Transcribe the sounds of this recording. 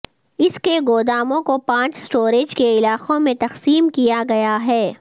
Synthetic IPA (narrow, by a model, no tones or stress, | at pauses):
ɪskeɡoːd̪aːmõkopãːt͡ʃsʈoːɾeːd͡ʒkeɪlaːqõmẽt̪ɐxsiːmkijaɡɐjaɦɛː